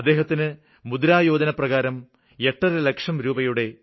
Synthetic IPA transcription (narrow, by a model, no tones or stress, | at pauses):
ɐd̪ːe̞ːɦɐt̪ːinɨ | mud̪ɾaːjoːd̪ɐnɐprɐɣaːɾɐm | eʈːɐɾɐle̞kʂɐmɾuːbɐjuɽe̞